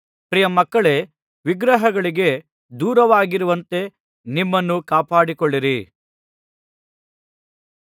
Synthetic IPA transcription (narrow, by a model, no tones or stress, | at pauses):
pɾijɐmɐkːɐɭe̞ | ʋiɡɾɐɦɐɡɐɭiɡe̞ | d̪uːɾɐʋaːɡiɾuʋɐnt̪e̞ | nimːɐnːukaːpaːɽikɔɭːiɾi